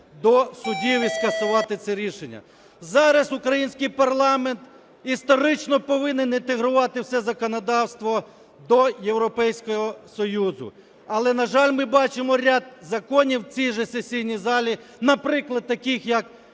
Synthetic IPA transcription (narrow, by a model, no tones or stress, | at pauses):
d̪ɔsʊdʲiʋiskɐsʊʋɑt̪ɪt̪sɛɾʲiʃenʲːɐ̰ | zɑɾɐsʊkɾɐjinʲsʲkɪjpɐrlˠɑment̪ | ist̪ɔɾɪt͡ʃnɔpɔʋɪnɪnɪnt̪eɦɾʊʋɑt̪ɪwsɛzɐkɔnɐd̪ɑwst̪ʋɔ | d̪ɔjewɾɔpɛjsʲkɔɦɔsɔjuzʊ̰ | ɐlˠɛnɐʒɑlʲmɪbɑt͡ʃɪmɔɾʲad̪̚zɐkɔnʲiwt͡sʲijʒɛsesʲijnʲizɑlʲi | nɐpɾɪklˠɐd̪̚t̪ːɐkɪxjɐk